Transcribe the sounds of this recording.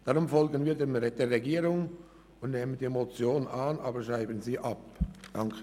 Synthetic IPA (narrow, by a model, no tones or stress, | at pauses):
d̥ɑʁʊmfɔlɡənviːdɛmd̥eːɾɛɡiːɾʊŋ | ʊndneːmənd̥iːmot͡sjoːnaːnʔɑ̰ːbəʃʁaɪbənziːʔɑp̚d̥ɑŋkʰə